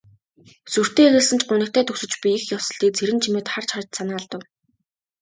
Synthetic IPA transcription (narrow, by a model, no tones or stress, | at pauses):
sur̥t̪eːeɣɘ̆ɮsə̆nt͡ɕɢʊnɘ̆kt̪ʰæːt̪ʰɵxsɵ̆t͡ɕpʲiixjawsə̆ɮiːk̚t͡sʰeɾɘ̆nt͡ɕʰimeːt̪χart͡ɕχart͡ɕsanaːɮt̪ə̆w